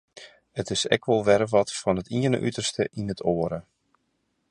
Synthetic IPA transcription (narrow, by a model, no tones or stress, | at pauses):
ətɪsɛ̰kʋɔlˠʋɛɾəʋɔtfɔnətiənə̰ʔytərstəʔinətʰoəɾə